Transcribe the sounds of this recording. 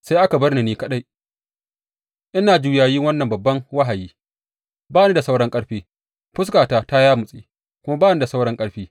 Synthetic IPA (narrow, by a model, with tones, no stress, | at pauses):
sa˦jʔa˦ka˨bɐ˦rni˨niː˦kɐ˦ɗa˦j | ʔɪ˦naː˨d͡ʒuː˨jaː˨jiː˦ŋwɐ˦nːɐ˨mbɐ˨bːɐ˦ŋwa˦ɦa˨jiː˦ | baː˦ni˦da˨sa˦wɽɐ˦ŋkʼɐ˦ɽɸiː˦ | ɸʊ˦s̬kaː˨taː˦ta˦jaː˦mʊ˨sʼiː˦ | kʷʊ˦ma˦baː˦˨ni˦da˨sa˦wɽɐ˦ŋkʼɐ˦ɽɸiː˦